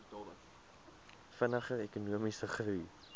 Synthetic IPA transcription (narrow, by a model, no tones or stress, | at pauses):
fənəχəɛkunuəmisəχruj